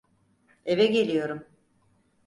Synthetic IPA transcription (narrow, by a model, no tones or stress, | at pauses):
e̞vɛɟe̞lʲijo̞ɾum